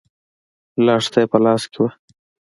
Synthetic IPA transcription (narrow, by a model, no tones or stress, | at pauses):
lɑːʂt̪ajpəlɑːskewa